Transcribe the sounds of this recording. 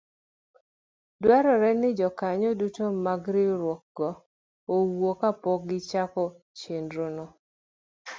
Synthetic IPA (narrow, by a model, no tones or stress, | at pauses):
dwɛɾɔɾɛnɪd͡ʒɔkaɲodutomaɡɾɪɾwɔk̚ɡɔ | owokapɔɡɪt͡ʃakɔ | t͡ʃendɾonɔ